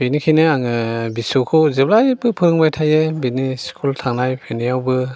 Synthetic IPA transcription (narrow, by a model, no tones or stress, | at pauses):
benikʰinɯaŋɯbisukʰɔwzep̚lajbɯpʰɯɾŋbajtʰajɯbiniskʰultʰaŋnajpʰenijawbɯ